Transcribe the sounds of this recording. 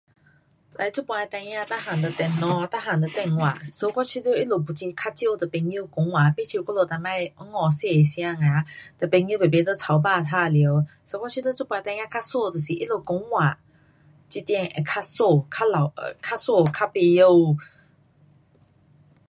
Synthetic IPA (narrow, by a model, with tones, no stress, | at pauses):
ta˧˩˦t͡su˦˥pwã˧t̪a˧˦ã˥˧˨t̪a˦˥ɦã˨˩nd̪ə˧t̪ɛ˧nɔ̃˧t̪a˦˥ɦã˨nt̪ə˧t̪ɛ˧˨ŋŋwã˨so˧kɔ˥˦t͡ɕʰi˧˦t̪ə˦ʔi˦lo˨˩p̬u˨t͡ɕi˧kʰa˥t͡ɕjə˥˧˨t̪ə˨pe˧ɲi˦˧˨kõ˨˦ŋwã˨pe˥˦t͡ɕʰi˧kɔ˦lo˧˨t̪a˧mã˧˨˧ɔ˧˦ŋɔ˧˨se˥˧˨e˨sj̃ã˧ŋã˨˦t̪ə˨pe˧ɲji˧˦˨be˨˩be˦t̪ə˦t͡sʰa˨˧˦wba˧˨t̪ʰa˧lji˨˧˦wso˧kɔ˥t͡ɕʰi˧t̪ə˦t͡su˦˥pwã˧t̪ã˧˦ã˥˧kʰa˥so˥˧˨t̪ə˨si˨ʔi˦lo˨ko˨˦ŋwa˨ | t͡ɕi˧t̪jɛ̃˧˨ŋɛ̰˨˩kʰa˥so˥˧˨kʰa˥la˨kʰa˦˥so˥˧˨kʰa˦˥˨pe˧jə˧w